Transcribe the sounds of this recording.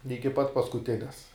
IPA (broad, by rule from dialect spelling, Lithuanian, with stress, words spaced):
ˈɪkʲɪ pɐt pɐskʊˈtʲɪnʲɛs